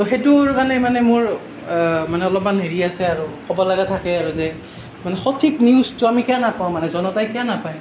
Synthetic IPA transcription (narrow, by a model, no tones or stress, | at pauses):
tɔxetʊkanɛmanɛmʊɹ | manɛɔlɔp̚manɦeɹiasɛaɹukɔbɔlaɡatʰakɛaɹuzɛ | manɛxɔtʰikniʊztʊamikɛjanapaw̃manɛzɔnɔtajkɛjanapaj